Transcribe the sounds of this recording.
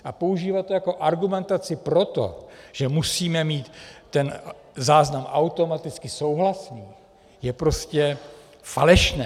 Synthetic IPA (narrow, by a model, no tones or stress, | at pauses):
ʔapo̞uʒiːvat̪̚ːojako̞ʔaɾɡumɛnt̪at͡sɪpɾo̞t̪o̞̰ʒ̥ɛmusiːmɛmiːt̪ːɛn | zaːznamʔawt̪o̞mat̪ɪt͡skɪso̞wɦlasniː | jɛpɾo̞scɛ | fa̰lɛʃnɛː